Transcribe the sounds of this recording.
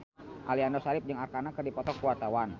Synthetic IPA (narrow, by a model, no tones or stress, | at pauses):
ʔa̰liandɔsaɾɪp̚d͡ʒəŋarkanakərdipɔt̪ɔkuwart̪awan